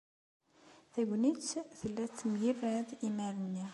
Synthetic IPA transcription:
θæɡʷnit͡sːθəlːæt͡sːmʝirːæðimæɾənːi

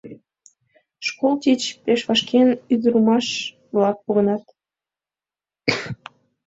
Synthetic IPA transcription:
ʃkolt̪ʲit͡ɕpeʃβɑʃkʰenyd̪əɾumɑʃ | βlɑk̚poɣənɑt̪

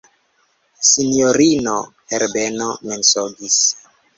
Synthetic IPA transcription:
sinioɾinoheɾbenomensoɡis

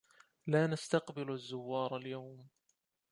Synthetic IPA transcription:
laːnast̪aqbɪlazːʊwːɑːɾˤaljawm

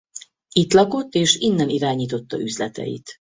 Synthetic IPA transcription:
it̪lɒko̞t̪ːeːʃinːɛniɾaːɲiːt̪o̞t̪ːɒ̰ʔyzlɛt̪ɛ̰jḭt̪

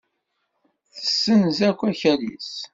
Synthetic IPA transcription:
θθəsːənzækʷːæçælḭs

